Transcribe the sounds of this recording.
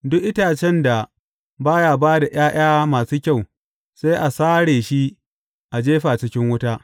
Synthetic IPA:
dʊ˦ʔɪ˦taː˨t͡ʃɛ˦nda˨ | baː˦jaː˨baː˦da˨j̰aː˦j̰aː˦maː˨suː˦kʲa˦˨w | sa˦ʔa˨saː˦ɽeː˨ʃi˦ | ʔa˨d͡ʒeː˦ɸaː˨t͡ʃɪ˦kʲɪ˦ŋwʊ˦taː˦

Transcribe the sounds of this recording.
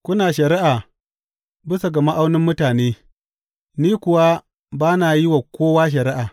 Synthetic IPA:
kʷʊ˦naː˨ʃɐ˨ɾɪ˦ʔaː˨ | bɪ˦sa˨ɡɐ˨ma˦ʔa˦wnɪ˦mːʊ˦taː˨neː˦ | niː˦kʷʊ˨wa˦ | baː˦naː˨jɪ˦wa˨kʷoː˦waː˦ʃ̬ɐ˨ɾɪ˦ʔaː˨

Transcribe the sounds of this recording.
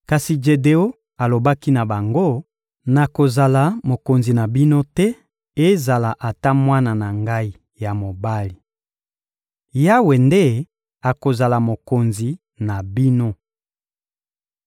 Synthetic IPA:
ka˨si˨d͡ʒe˨de˨o˦ | a˨lo˨ba˦ki˦na˨ba˨ŋɡo˦ | na˨ko˨za˨la˨mo˨ko˨nzi˨na˨bi˦no˦tɛ˦ | e˦za˨la˨ʔa˨ta˦mwa˦na˨na˨ŋɡa˦i˦ | ja˨mo˨ba˦li˨ | ja˦we˨nde˦˨ | a˨ko˨za˨la˨mo˨ko˨nzi˨ | na˨bi˦no˦

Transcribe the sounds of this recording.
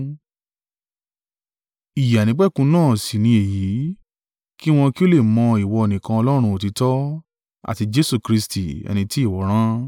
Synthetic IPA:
i˨ja˨nĩ˨˦k͡pɛ˦˨kũ˧nãː˦˨si˨nĩ˧˦e˨ji˨˦ | ki˦w̃ɔ̃˧ki˦o˦le˦˨mɔ̃˧i˨wɔ˧e˧˨nĩ˨kã˧ɔ˧lɔ˦ɾ̃ũ˧o˨ti˨˦tɔ˦ | a̰˦˨ti˧d͡ʒe˦su˦˨kɾi˧sti˨ɛ̰˧nĩ˧ti˦i˦˨wɔ˨˦ɾ̃ã˦

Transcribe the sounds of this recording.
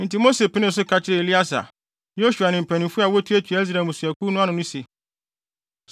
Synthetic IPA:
n̩˨ti˨mo˦se˨pʰɪ˦nɪ̃˦s̬ʊ˦kʰa˨t͡ɕʰɪ˦ɾɪ˦˨e˨li˦a˦sa̰˨ | jo˦ɕu˨a˨nɪ̃˨m̩˨pʰæ̃˨nɪ̃˨fu˦a˨wɔ˦tʰu˦æ˦t͡ɕʰᶣi˨˦s̬ɾa˨mʊ̃˨su˨æ˨ku˦nʊ̃˦ã˦nʊ̃˨nʊ̃˦se˨

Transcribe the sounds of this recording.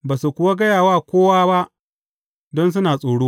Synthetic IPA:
baː˨su˨kʷʊ˨wa˦ɡɐ˦jaː˨waː˦˨kʷoː˦waː˦ba˦ʔ | dɔ˦ns̬ʊ˦naː˨sʼoː˨ɽoː˦

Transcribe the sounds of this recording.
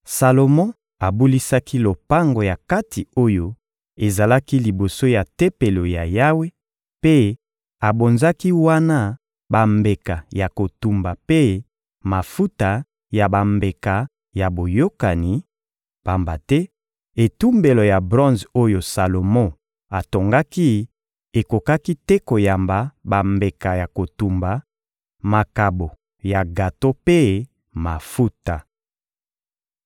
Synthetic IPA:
sa˨lo˨mɔ̃˦ | a˨bu˦li˦sa˦ki˦lo˨pa˦ŋɡo˨ja˨ka˦ti˨o˦jo˦ | e˨za˨la˦ki˦li˨bo˨so˦ja˨te˦pe˨lo˨ja˨ja˦we˦ | pe˦ | a˨bo˨nza˦ki˦wa˦na˦ | ba˨mbe˨ka˨ja˨ko˨tu˦mba˨pe˦ | ma˨fu˦ta˨ | ja˨ba˨mbe˨ka˨ | ja˨bo˨jo˦ka˨ni˨ | pa˨mba˨tɛ˦ | e˨tu˦mbe˨lo˨ja˨bʁɔ̃˦nzo˦jo˨sa˨lo˨mɔ̃˦ | a˨to˨ŋɡa˦ki˦ | e˨ko˨ka˦ki˦tɛ˦ko˨ja˨mba˨ba˨mbe˨ka˨ja˨ko˨tu˨mba˨˦ | ma˨ka˨bo˨ | ja˨ɡa˨to˦pe˦ | ma˨fu˦ta˨

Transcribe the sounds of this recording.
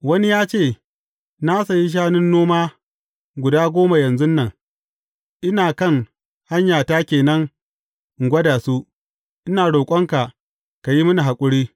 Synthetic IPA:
wɐ˦ni˦jaː˦t͡ʃeː˦˨ | na˦sa˨ji˦ʃ̬aː˦nɪ˦nːoː˦maː˦ | ɡʷʊ˨daː˦ɡʷoː˦ma˨jɐ˨nzʊ˦nːɐ˨ŋ | ʔɪ˦naː˨kɐ˦˨ŋ | ha˦ɲjaː˨taː˦kʲeː˨nɐ˦ŋ | ŋ˨ɡʷɐ˦daː˨su˦ʔ | ʔɪ˦naː˨ɽoː˨kʷʼɐ˦ŋka˨ | ka˨ji˦mʊ˦ni˨ɦa˨kʷʼʊ˦ɽiː˦

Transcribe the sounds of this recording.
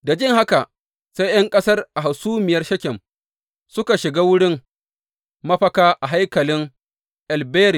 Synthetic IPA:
da˨d͡ʒɪ˦ŋɦa˦ka˨ | se˦jj̰ɐ˦ŋkʼɐ˦sɐ˦rʔa˨ɦa˨suː˦mɪ˨jɐ˦rʃɐ˦kʲɪ˨m | sʊ˦ka˨ʃɪ˨ɡaː˦wʊ˦ɽɪ˦ŋ | mɐ˦ɸɐ˦kaː˦ʔa˨ɦa˦jkɐ˨lɪ˦ŋ | ʔa˨lbeː˦ɾi˨

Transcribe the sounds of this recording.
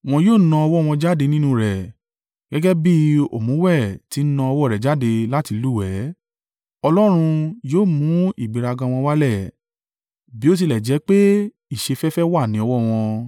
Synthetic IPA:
w̃ɔ̃˧joː˦˨˦nã˧ɔ˧wɔ˦˨w̃ɔ̃˧d͡ʒa˦de˧nĩ˦nũ˧ɾɛ˨ | ɡ̥ɛ˨˦ɡɛ˦bi˦o̰˨mũ˨˦wɛ˦˨ti˨˦nã˧ɔ˧wɔ˦˨ɾɛ˨d͡ʒa˨˦de˧la˦ti˨˧lu˦˨ɛ˨˦ | ɔ˧lɔ˦ɾ̃ũ˧joː˦˨mũ˨˦ḭ˦˨ɡ͡bi˨ɾa˧ɡã˧w̃ɔ̃˧wa˦lɛ˦˨ | bi˨˦o˦t̬i˧lɛ˨d͡ʒɛ˨˦k͡pe˦ | i˦˨ʃe˧fɛ˦fɛ˦wa˦˨nĩ˨˦ɔ˧wɔ˦˨w̃ɔ̃˧

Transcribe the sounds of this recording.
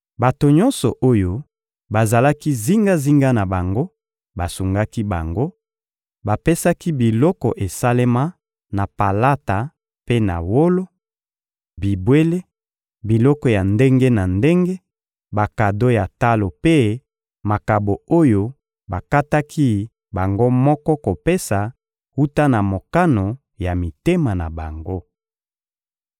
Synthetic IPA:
ba˨to˨ɲɔ̃˦nsɔ˨ʔo˦jo˦ | ba˨za˨la˦ki˦zi˦ŋɡa˦zi˦ŋɡa˦na˨ba˨ŋɡo˦ | ba˨su˨ŋɡa˦ki˦ba̰˨ŋɡo˦ | ba˨pe˦sa˦ki˦bi˨lɔ˦kɔ˨ʔe˨sa˦le˦ma˦ | na˨pa˨la˦ta˨ | pe˦na̰˨wo˦lo˦ | bi˨bwe˦le˦ | bi˨lɔ˦kɔ˨ja˨nde˦ŋɡe˦na˨nde˦ŋɡe˦ | ba˨ka˨do˦ja˨ta˦lo˨pe˦ | ma˨ka˨bo˨o˦jo˦ | ba˨ka˦ta˦kʰi˦ | ba˨ŋɡo˦mɔ˦kɔ˦ko˨pe˦sa˨ | hu˦ta˦na˨mo˨ka˦no˨ | ja˨mi˨te˦ma˨na˨ba˨ŋɡo˦

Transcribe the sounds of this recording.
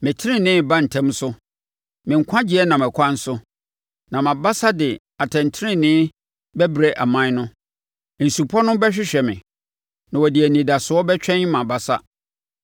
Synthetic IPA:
mɪ̃˨tʰɪ˦ɾɪ̃˦˨nɪ̃ː˦bã˦n̩˨tʰɛ̃˦msʊ˦ | mɪ̃˨ŋ̩˨kʷʰã˦d͡ʑɪ˦ɛ˦nã˨mɛ̃˨kʷʰã˦n̩˦sʊ˦ | nã˨mã˨ba˦sa˦dɪ˨ | a˨tʰɛ̃˨n˨tʰɪ˦ɪ̃˦nɪ̃˦ | bɛ˦bɾe˦ʔa˨mã˦nʊ̃˦˨ | n̩˨su˨pʰɔ˦nʊ̃˦bɛ˦ɕᶣɪ˦ɕᶣɛ˨mɪ̰̃˨ | nã˨wɔ˨di˨æ˨nĩ˨da˨sʊ˨ɔ˦bɛ˦t͡ɕᶣɛ̃˦ɲ˦mã˨ba˦sa̰˦

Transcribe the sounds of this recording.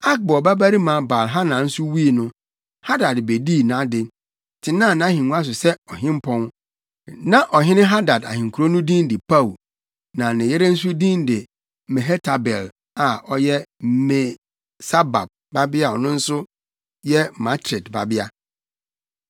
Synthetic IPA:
a˦k̚bɔ˨ba˦ba˦ɾi˦mã˨˦ba˨lɦa˦nã˨n̩˦sʊ˦wi˦˨nʊ̃˦ | ha˦da˨dbe˨di˦˨nã˨˦dɪ˨ | tʰɪ˨nãː˦˨nã˨˦hĩ˨nũ˦a˦s̬ʊ˨sɛ˦ɔ˨ɦɪ̃˦m˦pʰɔ̃˦n | nã˨ʔɔ˨ɦɪ̃˦nɪ̃˦ɦa˦da˨da̰˨hɪ̃˨ŋ̩˨kʰu˨ɾo˦nʊ̃˦dĩ˦ndɪ˨pʰa˦u˨ | nã˨nɪ̃˨jɛ˦ɾɛ˦n̩˦su˦dĩ˦ndɪ˨ | mɛ̃˨ɦɛ˦tʰa˨bɛ˨l | a˨ʔɔ˦jɛ˦mɛ˨ | sa˦ba̰˨b̚ | ba˦bɪ˦a˦˨ɔ˨nʊ̃˦n̩˦sʊ˦ | jɛ˦mã˦tʰɾɪ˨dba̰˨bɪ˦a˦

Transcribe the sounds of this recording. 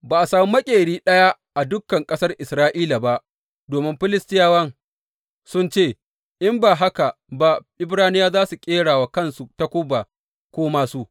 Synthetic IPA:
baː˨ʔa˨saː˨mi˦mɐ˦kʲʼeː˨ɽiː˦ɗɐ˦ja˦ | ʔa˨dʊ˦kːɐ˨ŋkʼɐ˦sɐ˦rʔɪ˨sɾaː˦ʔiː˦la˨ba˦ʔ | doː˨mɪ˦mɸɪ˦lɪ˦stɪ˦jaː˦wɐ˦ŋ | sʊ˦nt͡ʃeː˦˨ | ʔɪ˦mbaː˨ɦa˦ka˨ba˦ʔɪ˦bɾaː˦nɪ˦jaː˦zaː˦su˨kʲʼeː˦ɽaː˨wa˨kɐ˦˨nsu˨ta˦kʷʊ˦ba˨ | kʷoː˦maː˦su˦ʔ

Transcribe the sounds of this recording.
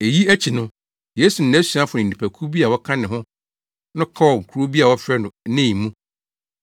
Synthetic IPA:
e˨ji˦æ˦t͡ɕʰi˨nʊ̃˦ | je˦su˨n̩˨æ˦su˨a˦fʊ˨nɪ̃˨n˨ĩ˨pʰæ˨kʰu˦bi˦a˨wɔ˦kʰã˦nɪ̃˨ɦʊ̃˦ | nʊ̃˦kʰa˦wɔ˨ŋ̩˨kʰu˨ɾo˦bi˦a˨wɔ˦fɾɛ˦nʊ̃˨˦nɪ̃˦˨i˨mũ˦

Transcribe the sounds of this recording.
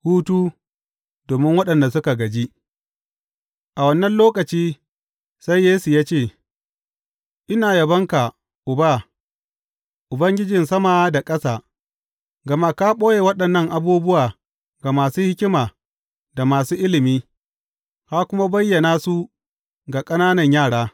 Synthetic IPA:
huː˦tuː˦ | doː˨mɪ˦ŋwɐ˦ɗɐ˨nda˨sʊ˦ka˨ɡɐ˨d͡ʒi˦ | ʔa˨wɐ˦nːɐ˦nloː˦kɐ˨t͡ʃiː˦ | sa˦jːeː˦su˨jaː˦t͡ʃeː˦˨ | ʔɪ˦naː˨jɐ˨bɐ˦ŋka˨ | ʔʊ˨ba˦ | ʔʊ˨bɐ˦ŋɡʲɪ˦d͡ʒɪ˨nsɐ˦ma˨˦da˨kʼɐ˦saː˨ | ɡɐ˨ma˦kaː˦ɓʼoː˦je˨wɐ˦ɗɐ˨nːɐ˦˨ŋʔa˨buː˦bʊ˦waː˨ | ɡa˨maː˨suː˦hɪ˦kʲɪ˦maː˨ | da˨maː˨suː˦ʔɪ˦lɪ˨miː˦ | ha˦kʷʊ˦ma˦bɐ˦jːɐ˨naː˦su˦ | ɡa˨kʼɐ˦naː˦nɐ˨ɲjaː˦˨ɽaː˦

